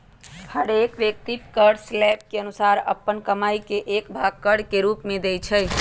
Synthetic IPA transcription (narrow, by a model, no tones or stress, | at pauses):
həɾekʋjek̚t̪ip̪kəɽslɛp̚keənusaɾə̰pːənkəmajkeʔekbʱaɡkːəɽkeɾupmed̪ejt͡ʃʰəj